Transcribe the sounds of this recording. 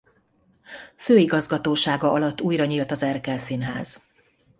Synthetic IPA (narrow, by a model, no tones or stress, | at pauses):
føːiɡɒzɡɒt̪oːʃaːɡɒʔɒlɒt̪ːuːjɾɒɲiːlt̪ɒzɛrkɛlsinɦa̰ːz̥